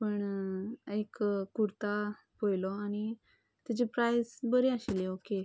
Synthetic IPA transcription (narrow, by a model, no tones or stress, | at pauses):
pəɳ | ekkːuɾt̪a | pojlɔañi | t̪it͡ɕepɾajsbəɾeaɕileoke